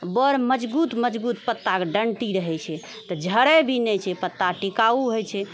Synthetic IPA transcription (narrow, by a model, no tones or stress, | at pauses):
bəɾməd͡ʒbut̪məd͡ʒbut̪pət̪ːakeɖəɳʈiɾəɦɛt͡ʃʰɛ | t̪ɔd͡ʒʱəɾɛbʱinɛt͡ʃʰɛpət̪ːaʈikauɦojt͡ʃʰɛ